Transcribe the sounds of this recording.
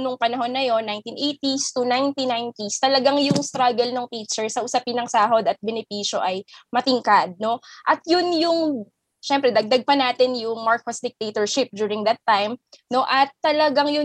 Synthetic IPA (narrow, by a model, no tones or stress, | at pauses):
nʊŋpɐnɐɦo̞nːɐjo̞nːajnt̪inʔejt̪ist̪unajnt̪inajnt̪ist̪ɐlɐɡaŋjʊŋst̪ɾaɡɛlnoŋfiːt͡ʃɛɹsɐʔʊsɐpɪnɐŋsaːɦo̞d̪ɐt̪̚bɛnɪpiːʃo̞ʔɐjmɐt̪ɪŋkad̪̚no̞ʔɐt̪jʊnjʊŋ | ʃɛmpɾɛd̪ɐɡ̚d̪ɐɡ̚pɐnaːt̪ɪnjʊŋmaɹkosd̪ɪk̚t̪et̪oɹʃɪp̚d͡ʒ̪juːɹɪŋd̪ɐt̪ːajmno̞ʔɐt̪ːɐlɐɡaŋjʊ